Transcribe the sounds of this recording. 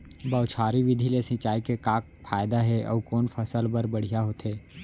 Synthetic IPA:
bɐʊt͡ʃʰaːɾiʋɪd̪ʱilesɪ̃t͡ʃaːikekaːk̚ | pʰaːjd̪aɦɛʔɔ̰ːkɔːnfʰəsəlbəɾbɐɽ̤ijaɦot̪eː

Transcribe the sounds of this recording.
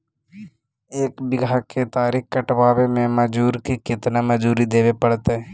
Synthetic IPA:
eːkbɪɡʱakʰet̪aːɾikkəʈʋaːʋemẽməd͡ʒuːɾkikɪt̪naməd͡ʒuːɾid̪eːʋepəɽt̪ɦɛː

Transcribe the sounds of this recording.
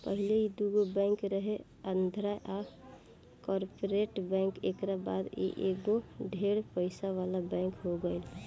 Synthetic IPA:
pəɦɪleid̪uɡobɛ̃ːŋkɾəɦe | ənd̪ʱɾaʔa | kɔːɾpoɾeʈbɛ̃ŋkḛːkɾaba̰ːd̪ḛʔeɡoɖʱeːɽpəɪsaʋaːlabɛ̃ːŋkɦoɡəel

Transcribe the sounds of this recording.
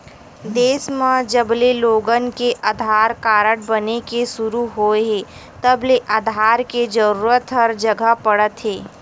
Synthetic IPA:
d̪eːsmãd͡ʒəbleloːɡənkeʔɐd̪ʱaːɾkaːɾəʈ̚bənekesʊɾuɦoːeɦeː | t̪əbleʔad̪ʱaːɾked͡ʒəɾuːɾət̪ɦɐɾd͡ʒɐɡəpɐɽət̪ɦeː

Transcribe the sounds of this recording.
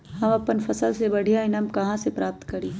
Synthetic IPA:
hɐmɐpənfɐsəlsebɐɽ̤ʱijaɪnəmkɐɦãsepɾaːp̚t̪kɐɾiː

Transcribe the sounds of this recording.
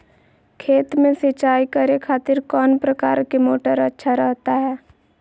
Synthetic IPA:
kʰeːt̪mẽsɪt͡ʃaːikəɾekʰaːt̪ɪɾkɔːnpɾɐkaːɾkemoːʈəɾɐtːʃʰaɾɛɦt̪aɦɛː

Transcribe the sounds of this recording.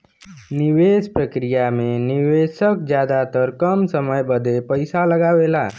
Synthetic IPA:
niwespɾəkɾijameniʋesəkd͡ʒjad̪at̪əɾkəmsəməjbəd̪ʱepəɪsaləɡaʋela

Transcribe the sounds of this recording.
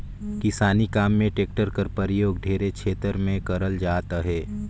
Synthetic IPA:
kɪsaːnikaːmːẽʈeːk̚ʈəɾkəɾpəɾɪjoːɡɖʱeːɾekt͡ʃʰeːt̪əɾmẽkɐɾəld͡ʒaːt̪aɦɛː

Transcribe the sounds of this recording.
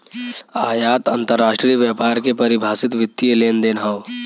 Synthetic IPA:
aːjaːt̪ɐ̃nt̪əɾːaːʃʈɾiəʋjaːpaːɾkepɐɾɪbʱaːsɪt̪ʋɪt̪ːieleːnd̪eːnɦaʋ

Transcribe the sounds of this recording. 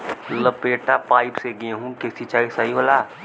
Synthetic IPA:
ləpeːʈapaːɪpseɡiẽɦũkesit͡ʃaːisaɦiɦolaː

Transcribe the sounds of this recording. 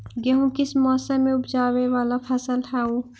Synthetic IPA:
ɡɛɦũkɪsmɔːsəmːẽʊpd͡ʒaːʋeʋaːlapʰɐsəlɦɛːuː

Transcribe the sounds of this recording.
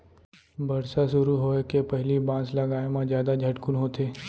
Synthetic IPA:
bɐɽsasʊɾuɦoːekepɛɦlibãːslɐɡaːemãzjaːd̪ad͡ʒʱɐʈkʊnɦoːt̪eː

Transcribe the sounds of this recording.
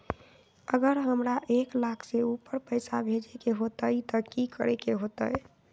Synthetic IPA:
əɡəɾɦəmɾaʔeklakʰseupəɾpəjsabʱed͡ʒekeɦot̪əjt̪əkikə̰ɾekeɦot̪əj

